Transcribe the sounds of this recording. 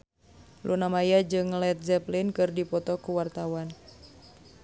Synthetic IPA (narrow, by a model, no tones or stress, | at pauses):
lʔṵnamajad͡ʒɨŋlɛt̪̚zɛplinkɨrdipɔt̪ɔkuwart̪awan